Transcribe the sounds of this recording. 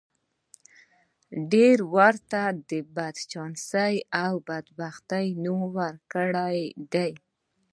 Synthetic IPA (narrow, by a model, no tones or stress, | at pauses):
ɖeɾwaɾt̪ad̪əbad̪t͡ʃɑnsəjawbad̪baxt̪əjnuwaɾkəɽajd̪aj